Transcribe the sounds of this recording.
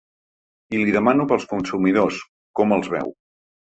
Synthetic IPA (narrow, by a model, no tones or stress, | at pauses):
iliðəmanupəlˠskunsumiðos | kɔməlˠzβɛ̰w